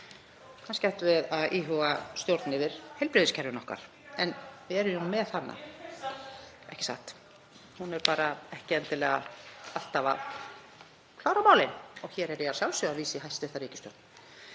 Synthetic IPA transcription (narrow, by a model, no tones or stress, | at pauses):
kanscaht̪vɪðaðʔiːɦɔɣast̪jowɾt̪nɪvɪɾ̥hejlpɾɪðɪscʰɛɾvɪnɔhka̰ɾ̥ | ɛnvɪɛɾʏumɛðθanːa̰ | ɛ̰hcɪ̥sa̰ht̪ | hunɛɾpaːɾaɛhcɪɛnt̪ɪlɛːɣa̰al̥t̪ava̰ð | kʰlaːwɾamaːwlɪnɔɣçɛːɾɛɾaɾsjawlsʏaðviːsɪhajst̪ɪθaɾiːcɪst̪jo̰wɾt̪n